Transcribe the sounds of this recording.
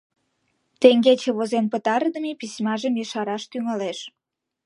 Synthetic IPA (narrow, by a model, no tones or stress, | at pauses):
t̪eŋɡet͡ɕeβozenpət̪ɑɾd̪əmepisʲmɑʒəmjəʃɑɾɑʃt̪yŋɑleʃ